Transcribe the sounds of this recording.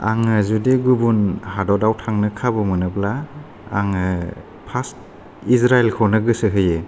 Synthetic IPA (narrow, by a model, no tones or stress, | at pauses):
a̰ŋɯzudeɡubunhadɔdawtʰaŋnɯkʰabɯmɯnɯblaː | ŋɯ | pʰast | isɾaelkʰɔnɯɡɯsɯɦɯjɯ